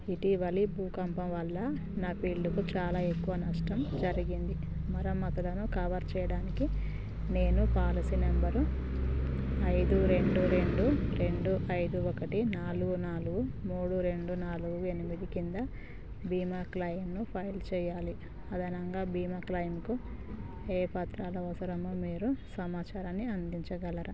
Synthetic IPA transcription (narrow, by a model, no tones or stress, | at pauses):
iʈiʋɐlibuːkɐmpɐmʋɐlːɐ | naːpiːɭɖukut͡ʃaːlaːe̞kːuʋɐnɐʂʈɐmd͡ʒɐɾiɡind̪i | mɐɾɐmːɐt̪ɐlɐnukɐʋɐɾt͡ʃɛːjɐɽaːniki | ne̞ːnupaːlɐsinembɐɾu | ɐjd̪uɾe̞ɳɖuɾe̞ɳɖuɾe̞ɳɖuʔɐjd̪uɔkɐʈinaːluɡunaːluɡumuːɽuɾe̞ɳɖunaːluɡue̞nimid̪ikind̪ɐ | biːmaːklɐjmnupʰɐjlt͡ʃɛːjaːli | ɐd̪ʱɐnɐŋɡaːbiːmaːklɐjmku | eːpat̪ɾaːlɐʋɐsɐɾɐmoːmiːɾusɐmaːt͡ʃaːɾɐnːiɐnd̪iɲt͡ʃɐɡɐlɐɾɐ